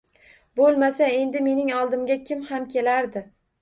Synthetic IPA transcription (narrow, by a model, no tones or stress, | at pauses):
bolˠmasae̞nd̪ɪme̞nɪŋɒlˠd̪ɪmɡʲakʲʰɪmhamkʲʰe̞laɾd̪ɪ